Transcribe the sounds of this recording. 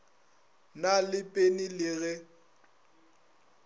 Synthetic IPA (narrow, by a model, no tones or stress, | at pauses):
nalɪpʼenilɪɣɛ